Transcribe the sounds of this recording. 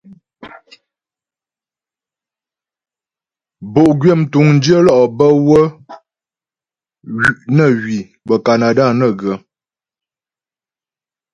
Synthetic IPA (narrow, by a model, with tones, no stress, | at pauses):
bo˨ʔɡɥe˦˨m˨tu˨˦ŋn̩˦d͡ʒə˦lɔ˦˨ʔbə˦wə˦ | ɥi˨ʔnə˦˨ɥi˨ | bə˨ka˨na˨da˦˨nə˦˨ɡə˨˦